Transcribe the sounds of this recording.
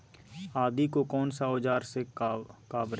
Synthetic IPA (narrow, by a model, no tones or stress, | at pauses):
aːd̪ikokɔːnsaod͡ʒaːɾsekaːbɾ